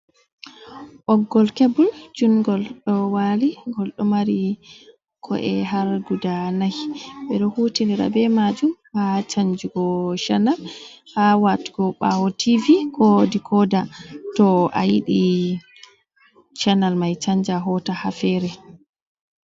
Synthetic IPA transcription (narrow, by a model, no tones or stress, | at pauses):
ʔɔɡːɔlkebuld͡ʒunɡɔlɗɔwaliɡɔlɗɔmaɾi | kʰɔ̰ʔɛɦaɾɡudanajɓɛɗɔhuːtiniɾa̰bɛmad͡ʒumhat͡ʃaɲd͡ʒuɡɔʃanal | hawati̥ɡɔɓawɔtivikʰɔdikʰɔdatɔa̰jiɗi | t͡ʃanalmajt͡ʃaɲd͡ʒaɦɔtahafɛɾɛ